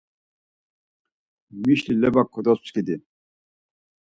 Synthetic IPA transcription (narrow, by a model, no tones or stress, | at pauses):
miʃlilɛbakʰːɔd̪ɔst͡skid̪i